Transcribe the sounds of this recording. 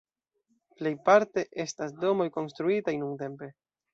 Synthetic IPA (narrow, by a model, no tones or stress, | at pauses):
ple̞jpaɾte̞ʔe̞stasdo̞mo̞jko̞nstɾuitajnuŋte̞mpe̞